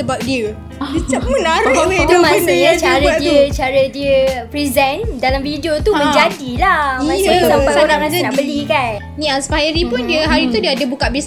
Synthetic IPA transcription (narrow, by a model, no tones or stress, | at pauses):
səbap̚diə | it͡ʃap̚mənaɾt̪umãsəjat͡ʃaɾədiət͡ʃaɾədiəpɾizɛndalamfidiot̪umə̃ɲd͡ʒadilamaaut̪ampat̪oɾaŋɾasanaʔbəlikan | nĩaspajɾipʊndiəɦaɾit̪udiəadəbukaʔbis